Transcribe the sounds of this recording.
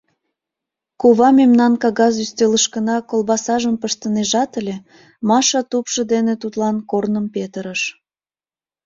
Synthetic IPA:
koβɑmemnɑnkɑɣɑzyst̪eləʃkənɑkolbɑsɑʒəmpəʃt̪əneʒɑt̪əlʲe | mɑʃɑt̪upʃəd̪enet̪ut̪lɑnkornəmpet̪əɾəʃ

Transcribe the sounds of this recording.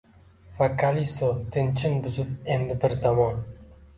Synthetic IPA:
vakʰalisot̪ʰɪnt͡ʃʰɪnbʊzʊp̚end̪ɪbɪɾzamɒn

